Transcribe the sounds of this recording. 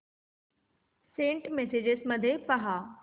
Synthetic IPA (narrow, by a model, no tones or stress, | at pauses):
sẽːɳʈmesed͡ʑesmɐd̪ʱepɐɦaː